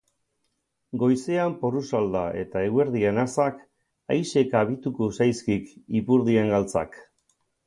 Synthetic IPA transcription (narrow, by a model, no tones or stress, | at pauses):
ɡo̞jse̞amporusald̪aʔe̞̰t̪ae̞we̞ɾðienasak | ajse̞kaβ̞it̪ukosajskikipuɾðieŋɡalt͡sa̰k